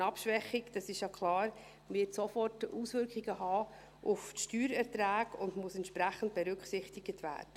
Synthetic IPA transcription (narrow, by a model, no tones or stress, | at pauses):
ɑpʃʋɛχikd̥̪ɑsɪʃjɑkʰlɑːɾ | mɪːtsɔfɔrtusʋʏɾkχiɡəɦɑː | ʔufʃtyːɾɛɾtɾæːɡʊndmuəsɛntt͡ʃpɾæχənt̚b̥ɛɾʉkχsɪχtɪɡ̥ətʋæ̰ːɾd̥ə